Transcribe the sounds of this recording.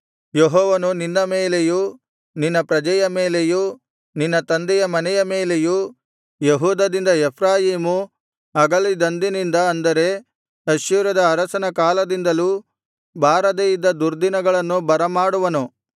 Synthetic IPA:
jeɦɔːʋɐnuninːɐmeːleju | ninːɐpɾɐd͡ʒɐjɐmeːleju | ninːɐt̪ɐnd̪ɛjɐmɐnɛjɐme̞ːle̞ju | jeɦuːd̪ɐd̪ind̪ɐepʰɾaːjiːmu | ɐɡɐɭid̪ɐnd̪inind̪ɐɐnd̪ɐɾe̞ | ɐʃjuːɾɐd̪ɐːɾɐsɐnɐkaːlɐd̪ind̪ɐlu | bʱaːɾɐd̪ejid̪ːɐd̪uɾd̪inɐɡɐɭɐnːubɐɾɐmaːɽuʋɐnu

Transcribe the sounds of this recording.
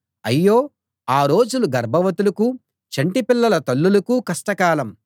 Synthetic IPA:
ɐjːoː | aːɾo̞ːd͡ʒuluɡɐɾbʱɐʋɐt̪ulɐku | t͡ʃɐɳʈipilːɐlɐt̪ɐlːulɐkukɐʂʈɐkaːlɐm

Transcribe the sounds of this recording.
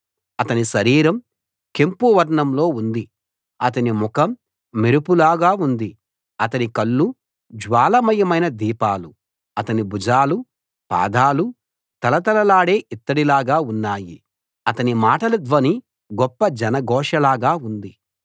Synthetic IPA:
ɐt̪ɐniʃɐɾiːɾɐm | kempuʋɐɾɳɐmlo̞ːund̪i | ɐt̪̬ɐnimukɐmː | iɾupulaːɡaːund̪i | ɐt̪ɐnikɐɭːu | d͡ʒʋaːlɐmɐjɐmɐjnɐd̪iːpaːlu | ɐt̪ɐnibud͡ʒaːlu | pa̰ːd̪aːlu | t̪ɐlɐt̪ɐlɐlaːɽeːʔit̪ːɐɽilaːɡaːunːaːjḭ | ɐt̪ɐnimaːʈɐlɐd̪ʋɐni | ɡɔpːɐd͡ʒɐnɐɡɔːʂɐlaːɡaːund̪i

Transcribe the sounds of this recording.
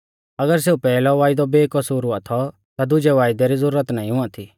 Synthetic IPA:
ɐɡəɾs̬eːupɛːlɔʋaːɪd̪ɔbeːkɐsuːɾɦʊãt̪ʰɔ | t̪ad̪ʊd͡ʒɛʋaːɪd̪ɛɾizʊɾːət̪naːĩɦʊãt̪ʰiː

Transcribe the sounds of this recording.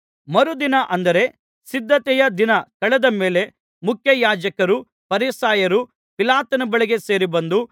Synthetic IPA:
mɐɾud̪inɐʔɐnd̪ɐɾe̞ | sid̪ʱːɐt̪ɛjɐd̪inɐkɐɭɛd̪ɐme̞ːle̞ | mukʰjɐjaːd͡ʒɐkɐɾu | pɐɾisaːjɐɾu | pilaːt̪ɐnɐbɐɭiɡe̞seːɾibɐnd̪u

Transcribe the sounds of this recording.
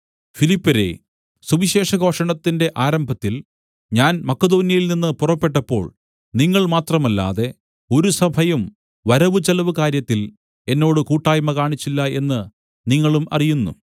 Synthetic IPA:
filipːɐɾe̞̰ | subiɕe̞ːʂɐɡʱo̞ːʂɐɳɐt̪ːinde̞ʔaːɾɐmbʱɐt̪ːil | ɲaːnmɐkːɐd̪o̞ːnjɐjilninːɨpurɐpːe̞ʈːɐpːo̞̰ːɭ | niŋːɐɭmaːt̪rɐmɐlːa̰ːðe̞ | o̞ɾusɐbʱɐjum | ʋɐɾɐʋɨt͡ɕɐlɐʋɨkaːɾjɐt̪ːil | e̞nːo̞ːɽɨkuːʈːaːjmɐkaːɳit͡ɕːilːɐe̞nːɨ | niŋːɐɭumʔɐ̰rijunːṵ

